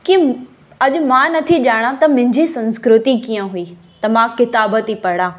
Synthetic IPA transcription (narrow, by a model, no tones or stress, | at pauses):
ki | ɐʄʊmãːnɐt̪ʰiʄaːɽ̃ãt̪ɐmʊ̃ɦɪ̃ɲd͡ʑisɐ̃nskɾʊt̪ikijə̃ɦuiː | t̪ɐmãkɪt̪aːbət̪ipɐɽ̃ãː